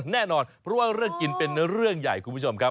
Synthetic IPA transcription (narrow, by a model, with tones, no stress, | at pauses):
nɛː˥˩nɔː˧npʰɾɔ˦˥waː˥˩ɾɯ˥˩əŋki˧npe˧nːa˥ɾɯ˥˩əŋja̰˨˩jkʰu˧mpʰːu˥˩t͡ɕʰo˧mkʰa˦˥p̚